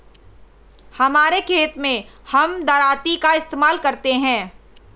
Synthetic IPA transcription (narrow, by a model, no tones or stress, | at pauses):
hɐmaːɾekʰeːt̪mẽhɐmd̪ɐɾaːt̪ikaɪst̪eːmaːlkɐɾt̪eɦɛ̃ː